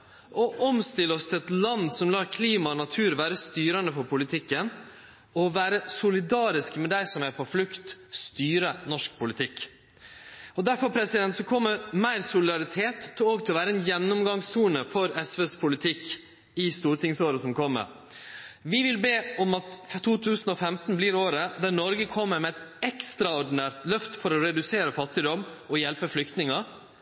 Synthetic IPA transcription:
ʔɔʔɔmst̪ɪlːəɔst̪ʰɪlɛt̪lɑnːsɔmlɑːkʰliːmɑɔnɑt̪ʰʉːɾʋæːɾəst̪yːɾɑnəfɔɾpʊlɪt̪ʰɪkːən | ɔʋæːɾəsʊlɪd̪ɑːɾɪskmɛd̪æɪsɔmæɾpʰɔflʉkt̪st̪yːɾənɔʂk̚pʰʊlɪt̪ʰɪkː | ɔd̪æɾfɔɾpʰɾɛsɪd̪ɛnt̪sɔkʰɔmːəɾmæɪɾsʊlɪd̪ɑɾɪt̪ʰeːt̪ːɔɡt̪ʰɪlʋæːɾəɛnjɛnːʊmɡɑŋstuːnəfɔɾɛsʋeːspʰʊlɪt̪ʰɪkː | ɪst̪uːɾt̪ɪŋsoːɾəsɔmkʰɔmːə̰ɾ | ʋɪʋɪlbeːɔmɑt̪t̪ʰːuːt̪ʰʉːsnɔfɛmt̪n̩bliːɾoːɾəd̪æɾnɔɾɡəkʰɔmːəɾmɛɛt̪ɛkst̪ɾɑʊɖɪnæːɾt̪lœft̪fɔɾɔɾɛd̪ʉseːɾəfɑt̪ːɪd̪ɔmɔjɛlpəflʏkt̪nɪŋɑ

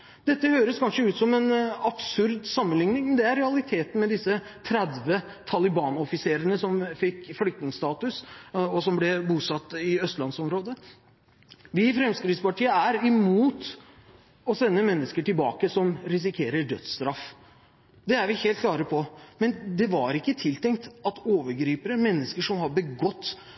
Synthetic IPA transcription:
d̪ɛt̪ːəhøːɾəskʰɑnʂəʉːt̪sɔmɛnɑb̥sʉɾd̪sɑmːənlɪŋnɪŋmɛnd̪ɛæɾɛɑlɪt̪ʰeːt̪n̩mɛd̪ɪsːət̪ʰɾæd̪ʋə | t̪ʰɑlɪbɑːnɔfɪseːɾənəsɔmfɪkːflʏk̚t̪nɪŋst̪ɑːt̪ʉsɔsɔmblɛbuːsɑt̪ːɪœst̪lɑnsɔmɾoːd̪ə | ʋɪfɾɛmskɾɪd̪spɑʈʰiːəæɾɪmuːt̪ | ɔsɛnːəmɛnːəskəʈɪlbɑ̰ːkəsɔmɾɪs̬ɪkʰeːɾəɖœ̰t̪st̪ɾɑf | d̪ɛæɾʋɪheːlt̪̚kʰlɑːɾəpʰɔmɛnd̪ɛʋɑɾɪkːət̪ʰɪlt̪ʰɛŋkt̪ɑt̪oːʋəɾɡɾiːpəɾəmɛnːəskəʂɔmhɑbəɡɔt̪ː

